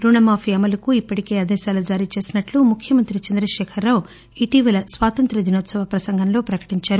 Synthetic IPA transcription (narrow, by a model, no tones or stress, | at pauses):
ɾuɳɐmaːpʰiɐmɐlɐkuipːɐʈike̞ːɐd̪ɛːʃaːlɐd͡ʒaːɾit͡ʃe̞ːsinɐʈlumukʰjɐmɐnt̪ɾit͡ʃɐnd̪ɾɐʃɛːkʰɐɾːaːwu | iʈiʋɐlɐsʋaːt̪ɐnt̪ɾɐd̪inoːt̪sɐʋɐpɾɐsɐŋɡʱɐnlo̞ːpɾɐkɐ̥ʈiɲt͡ʃaːɾu